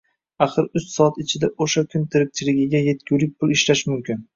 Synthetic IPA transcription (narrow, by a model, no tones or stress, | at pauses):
aχɨɾʊssɒat̪ɪt͡ʃʰɪd̪aʔoʃakʲʰʊnt̪ʰɪɾɪk̚ʲt͡ʃʰɪlɪɡʲɪɡʲaje̞t̪kʰʲuwlɪk̚ʲpʰʊlˠɪʃlaʃmʊmkʲʰɪn